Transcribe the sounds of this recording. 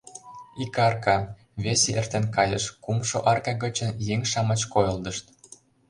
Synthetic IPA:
ikɑrkɑ | βeseʔert̪enkɑjəʃkumʃoʔɑrkɑɣə̆t͡ɕə̆njeŋʃɑmə̆t͡ɕkojɤ̆ld̪ə̆ʃt̪

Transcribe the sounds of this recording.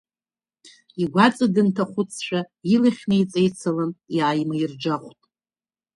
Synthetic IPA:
iɡʷat͡sʼadɨntʰaχʷʊt͡sʰʃʷᶣa | ilaχʲnɨjt͡sʼejt͡sʰalanjaːjmaird͡ʒaχʷtʼ

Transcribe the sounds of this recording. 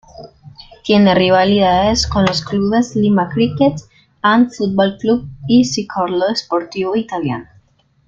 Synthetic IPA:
t̪jeneriβaliðaeskonloskluβeslimakɾiket̪ | anfut̪̚bolklubisikʰoɾloespoɾt̪iβoit̪alja̰no

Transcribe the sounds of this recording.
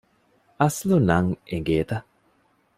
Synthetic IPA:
ɐslunɐŋeɡeːt̪ɐ

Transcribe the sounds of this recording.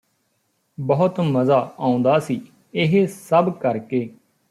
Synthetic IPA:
bəɦʊt̪məzaːaːũnd̪aːsiː | ɪɦesəbkəɾkeː

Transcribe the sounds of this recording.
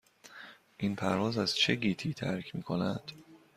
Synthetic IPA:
ʔinpʰæɾvɒːzæzt͡ʃʰe̞ɟiːt̪ʰiːt̪ʰæɾcʰmiːkʰonæd̪̥

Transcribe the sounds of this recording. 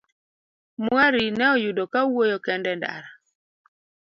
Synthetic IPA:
mwaɾinɛɔjudɔkawojɔkɛndɛnda̰ɾa

